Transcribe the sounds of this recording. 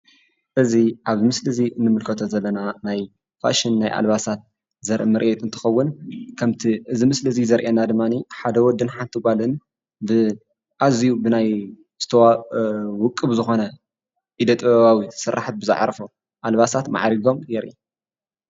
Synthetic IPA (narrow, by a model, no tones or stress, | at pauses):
ʔɨziʔaβmɨslɨziʔɨnːɨmɨlkʰɐt̪ʰozɐlːɐnanaj | fa̰ʃɪnːajʔa̰lβasat̪̚ | zɐɾʔmɨɾʔɛt̪ʼɨnt̪ʰɨ̥xɐwːʊnkʰɐmt̪ʰiʔɨzimɨslɨzizɐɾʔenad̪ɨmːaniħad̪ɐwɔd̪ːɨnħant̪ʰɨɡalɨn | bɨ | ʔazijubɨnaj | z̥ɨ̥t̪ʰɐwawʊkʼːɨβzɨxo̞nɐ | ʔid̪ɐt̪ʼββawisɨɾːa̰ħt̪̚bɨzɨ̰ʕa̰ɾfo | ʔalβasat̪ma̰ʕɾiɡo̞mjɛɾʔḭ